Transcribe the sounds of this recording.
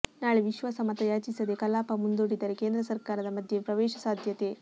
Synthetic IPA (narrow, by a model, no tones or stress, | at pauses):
naːɭeʋiʃʋɐsɐmɐt̪ɐjaːt͡ʃisɐd̪ekɐlaːpɐmund̪oɽid̪ɐɾekeːnd̪ɾɐsɐɾkaːɾɐd̪ɐmɐd̪ʱjepɾɐʋɛːʃɐsaːd̪ʱjɐt̪e̞